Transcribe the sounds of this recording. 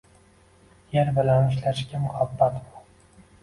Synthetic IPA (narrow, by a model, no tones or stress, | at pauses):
jeɾbɪlanɪʃlaʃkʲamʊhabːat̪mʊ